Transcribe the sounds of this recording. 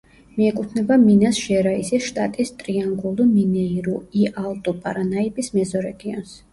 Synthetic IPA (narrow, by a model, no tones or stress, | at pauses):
miɛkʼut̪ʰnɛbaminasʒ̥ɛɾaisisʃt̪ʼat̪ʼist̪ʼɾiaŋɡulˠiminɛiɾuialˠt̪ʼupʼaɾanaipʼismɛzɔɾɛɡiɔns